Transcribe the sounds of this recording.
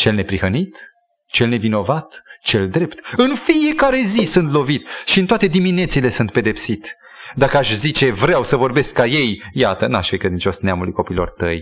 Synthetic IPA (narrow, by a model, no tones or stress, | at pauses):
t͡ʃe̞lne̞pɾihənit̪ | t͡ʃe̞lne̞vino̞vat̪t͡ʃe̞ld̪ɾe̞pt̪ɨnfije̞kaɾe̞zisɨnt̪lo̞vit̪ʃiɨnt̪oat̪e̞d̪imine̞t̪siːle̞sɨnt̪̚pe̞d̪e̞psit̪ | d̪akəaʃzit͡ʃe̞vɾeawsəvo̞rbe̞skːaje̞jjat̪ənaʃfejkɾed̪int͡ʃo̞sneamulujko̞piːlo̞̰rt̪ə̰j